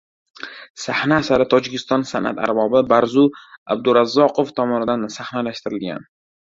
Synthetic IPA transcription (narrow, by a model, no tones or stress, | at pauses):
sahnaːsaɾɪt̪ʰɒd͡ʒɪkʲʰɪst̪ɒnsanʔa̰t̪ʰa̰ɾbɒbɪbaɾzʊa̰b̚d̪ʊɾazːɒqʰoft̪ʰɒmɒnɪd̪ansahnalaʃt̪ɪɾɪlɡʲa̰n